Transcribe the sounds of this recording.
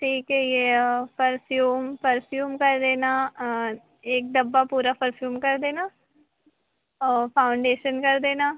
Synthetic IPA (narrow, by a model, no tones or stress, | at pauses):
ʈʰiːkɛjepəɾpʰjuːmpəɾpʰjuːmkɐɾd̪eːna | eːk̚d̪ɐbːapuːɾapəɾpʰjuːmkɐɾd̪eːnaː | ɔːɾpʰaːʊɳɖeːʃənkɐɾd̪eːnaː